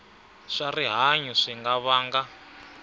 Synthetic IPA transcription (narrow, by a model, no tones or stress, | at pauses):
ʂariɦaɲuʂiŋɡaβaːŋɡa